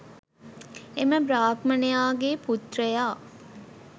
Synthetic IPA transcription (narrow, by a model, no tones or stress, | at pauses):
eməbɾaːkmɐnejaːɡeːput̪rɐjaː